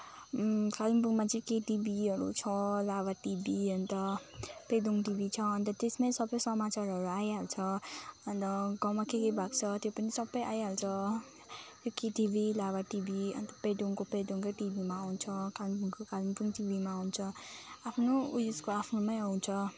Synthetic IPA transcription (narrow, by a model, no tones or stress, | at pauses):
kalimpuŋmat͡sʌĩkeʈibiɦʌɾṵt͡sʰʌlabaʈibiʌnt̪ʌped̪uŋʈibit͡sʰʌʌnt̪ʌt̪esmasʌbʌjsʌmat͡saɾʌɾuajɦalt͡sʰʌʌnt̪ʌɡawmakekʌjbʱakt͡sʰʌt̪jopʌnisʌbʌjʔajɦalt͡sʰʌ | j̪okeʈibilaβaʈibiʌ̰nt̪ʌped̪uŋkoped̪uŋkʌjʈibimaawnt͡sʰʌkalimpuŋkokalimpuŋʈibimaːwnt͡sʰʌapʰnoujuskoapʰnomajaw̃t͡sʰʌ